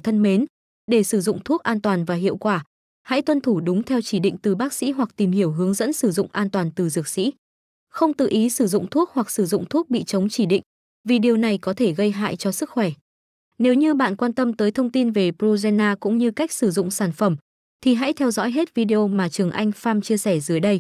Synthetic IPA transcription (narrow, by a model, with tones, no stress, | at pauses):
t̪ʰə˧nme˨˦n | ɗe˧˩sɨ˧˩zʊ̰˧˨ŋ͡mt̪ʰu˦˥k̚ʔaː˧nt̪waː˨˩nvaː˨˩ɦḭ˧˨əwkwaː˧˩ | ha̰˧˥jt̪wə˧nt̪ʰu˧˩ɗʊ˨˦ŋ͡mt̪ʰɛ˧wt͡ɕi˧˩ɗḭ˧˨ŋ̟t̪ɨ˨˩ɓaː˦˥k̚sḭ˧˥ɦwa˨˩k̚t̪i˨˩mhi˧˩əwɦɨ˨˦əŋzə̰˧˥nsɨ˧˩zʊ̰˧˨ŋ͡mʔaː˧nt̪waː˨˩nt̪ɨ˨˩zɨ˨˩ək̚sḭ˧˥ | xə˧wŋ͡mt̪ɨ̰˧˨ʔi˨˦sɨ˧˩zʊ̰˧˨ŋ͡mt̪ʰu˦˥ək̚hwa˨˩k̚sɨ˧˩zʊ̰˧˨ŋ͡mt̪ʰu˦˥ək̚ɓḭ˧˨t͡ɕə˨˦wŋ͡mt͡ɕi˧˩ɗḭ˧˨ŋ̟ | vi˨˩ɗi˨˩əwna˨˩jkɔ˨˦t̪ʰe˧˩ɣə˧jɦa̰ː˧˨jt͡ɕɔ˧sɨ˦˥k̚xwɛ˧˩ | ne˨˦wɲɨ˧ɓa̰ː˧˨nkwaː˧nt̪ə˧mt̪əː˨˦jt̪ʰə˧wŋ͡mt̪i˧nve˨˩pzu˧zɛ˧naː˧kʊ̰˧˥ŋ͡mɲɨ˧ka˦˥jk̚sɨ˧˩zʊ̰˧˨ŋ͡msaː˧˩nfə˧˩m | t̪ʰi˨˩ɦa̰˧˥jt̪ʰɛ˧wzɔ̰˧˥jɦe˦˥t̚vi˧ɗe˧ʔo˧maː˨˩t͡ɕɨ˨˩əŋʔa˧jŋ̟faː˧mt͡ɕi˧əsɛ˧˩zɨ˨˦əjɗə˧j